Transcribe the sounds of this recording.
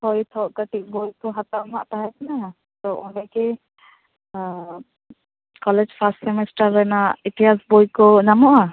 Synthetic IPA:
hɔjt̪ʰɔʔkəʈik̚bojkɔɦat̪ana̰ʔt̪aɦɛkana | t̪ɔʔɔnɛkɛ | kɔlɛd͡ʒpʰasʈsɛmɛsʈaɾːɛnaʔit̪ʰijasbojkɔnamɔʔa

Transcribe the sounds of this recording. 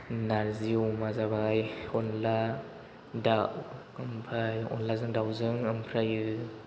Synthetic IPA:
naɾziwmazabajɔnla | daw | ampʰajɔ̰nlazɯŋdawzɯŋɯmpʰɾajɯ

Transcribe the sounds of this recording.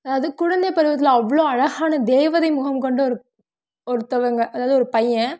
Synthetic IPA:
ɐðaːʋɐðɯkʊɻɐnd̪ɐɪpːɐɾɯʋɐt̪̬ːɪlɐʋːɐɭoːɐɻɐɣaːnɐd̪eːʋɐðɐɪmʊɣɐmkɔɳɖɯɔɾɯ | ɔɾɯt̪ːɐʋɐŋɡɐʔɐðaːʋðɯɔɾɯpɐjːɐ̃

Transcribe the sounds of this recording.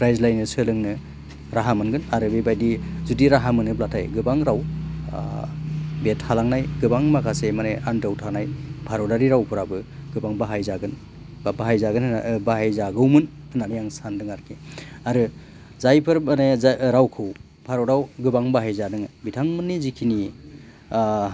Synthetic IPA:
pʰɾajzlajnɯsɯlɯŋnɯ | ɾaɦamɯnɡɯnaɾɯbebajdizudiɾaɦamɯnɯblatʰajɡɯbaŋɾaw | bethalaŋnajɡɯbaŋmakʰasemaneandawtʰanajpʰaɾodaɾiɾawpʰɯɾabɯɡ̥ɯbaŋbaɦajzaɡɯn | baɦajzaɡɯnbaɦajzaɡɯwmɯn | hɯnanijaŋsandɯŋaɾkʰeaɾɯ | zajpʰɯɾmaneɾawkʰɯw | pʰaɾodawɡɯbaŋbaɦajzadɯŋbitʰaŋmɯnːizikʰini

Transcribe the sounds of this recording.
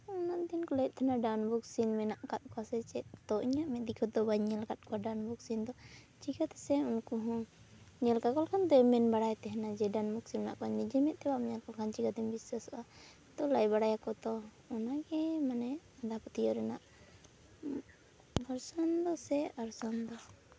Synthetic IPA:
ɔnaʔd̪inkɔlajt̪̚ˀt̪ʰanaɖawnbuksinmɛnaʔkat̪̚kɔasɛt͡ʃɛt̪ɔʔiɲaʔmɛd̪ikʰɔd̪ɔbaɲɛlkat̪̚kɔaɖawnbuksind̪ɔ | t͡ʃiɡat̪ɛ̥sɛunkuɦɔ̃ | ɲɛlkakɔlkʰand̪ɔɛmɛnbaɽajt̪ɛɦɛnad͡ʒɛɖawnbuk̚sinmɛnaʔkɔaɲd̪id͡ʒɛmɛt̪̚t̪ɛbamɛɲakɔlkʰant͡ʃiɡad̪ɛmbisasɔʔa | t̪ɔlajbaɽajakɔt̪ɔ | ɔnaɡɛmanɛ | ad̪apɔt̪ijɔɾɛnaʔ | baɾsand̪ɔsɛaɾsand̪ɔ

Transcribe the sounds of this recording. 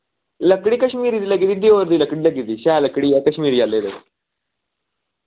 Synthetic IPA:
ləkɽiːkəɕmiːɾit̪iləɡit̪iːd̪eoʋəɾd̪iːləkɽilɐɡit̪iːɕaləkɽijakəɕmiːɾijaled̪e

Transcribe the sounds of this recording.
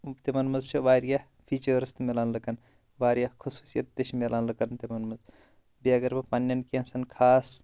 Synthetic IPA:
t̪imɐnmɐzt͡ʃʰiʋaːɾjɐ | pʰiːt͡ʃɐɾst̪melaːnlɐkɐn | ʋaːɾjɐkʰusuːsijɐt̪ːeʃʰmelaːnlɐkɐnt̪imɐnmɐz | biɐɡɐɾbɐpɐnːɐnkẽnsɐnkʰaːs

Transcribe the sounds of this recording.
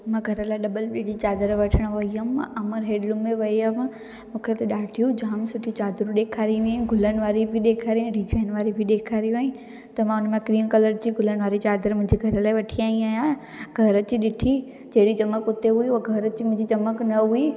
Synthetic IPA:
mãːɡʱɐɾəlaːɪɗɐbəlɓid͡ʑit͡ɕaːd̪əɾʋɐʈʰəɽ̃ʋɐiɦəmɐməɾɦeːɖlʊmeʋɐiəm | mũːkʰet̪ɐɗaːʈʰijũd͡ʑaːmsʊʈʰit͡ɕaːd̪ɾũɗeːkʰaːɾiʋĩɡʱʊlənɪ̆ʋaːɾibʱɪɗeːkʰaːɾiũɖɪd͡ʑaːɪnʋaːɾibʱiɗeːkʰaːɾĩʋĩ | t̪ɐmãːʊnmẽkɾiːmkɐləɾd͡ʑiɡʱʊlənɪ̆ʋaːɾit͡ɕaːd̪əɾmʊ̃ɦɪ̃ɲd͡ʑiɡʱɐɾəlaːɪʋɐʈʰiaːĩaːɦjã | ɡʱɐɾət͡ɕiːɗɪʈʰi | d͡ʑɐɦɪɽit͡ɕɐməkʊt̪eɦuiueɡʱɐɾət͡ɕiːmʊ̃ɦɪ̃ɲd͡ʑit͡ɕɐməknɐɦui

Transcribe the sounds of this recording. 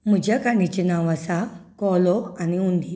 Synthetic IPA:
mud͡ʒakanit͡ʃinawasakɔlɔaniundi

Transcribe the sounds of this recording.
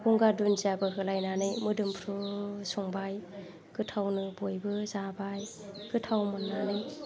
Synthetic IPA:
ɡuŋɡadunziabɯɦɯlajnanɯjmɯdɯmpʰɾusɔŋbaj | kɯtʰawnɯbojbɯzabaj | kɯtʰawmanːanɯj

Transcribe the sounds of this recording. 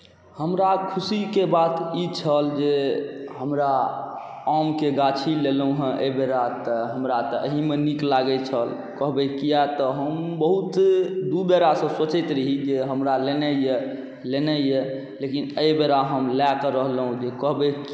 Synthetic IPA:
həmɾakʰusikebat̪it͡ʃʰəld͡ʒeɦəmɾa | amkeɡat͡ʃʰilelũɦə̃ʔə̰beɾat̪ɔɦəmɾat̪ɔə̰ɦimeniklaɡɛt͡ʃʰəl | kəɦbekijat̪ɔɦəmbəɦut̪d̪ubeɾasə̃sot͡ʃɛt̪ɾəɦid͡ʒeɦəmɾalenɛje | lenɛe | lekinəjbeɾaɦəmlakəɾəɦlɦũd͡ʒekəɦbek

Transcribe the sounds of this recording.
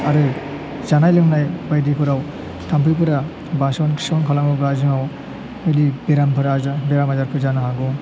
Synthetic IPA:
aɾɯ | zanajlɯŋnajbajdipʰɯɾaw | tʰampʰɯjpɯɾa | basɔnkʰi̥sɔnkʰalaŋabɾazɯŋaw | ɯjdibeɾampʰɯɾabeɾamazaɾpʰɯzanaɦaɡɔ

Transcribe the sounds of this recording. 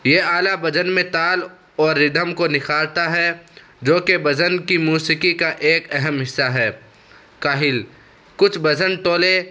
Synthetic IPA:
jeːaːlabɐd͡ʒənmẽt̪aːl | ɔːɾːɪd̪ʱəmkonɪxaːɾt̪aɦɛ | d͡ʒoːkebɐd͡ʒənkimuːsikikaʔeːkɛɦɛmɦɪsːaɦɛː | kaːɦɪl | kʊt͡ʃʰbɐd͡ʒənt̪oːle

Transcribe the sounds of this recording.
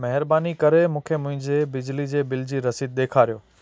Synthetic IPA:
mɛɦɪɾbaːnikɐɾemũːkʰemʊ̃ɦɪ̃ɲd͡ʑebɪd͡ʑlid͡ʑeːbɪld͡ʑiɾɐsiːd̪̚ɗ̪eːkʰaːɾijoː

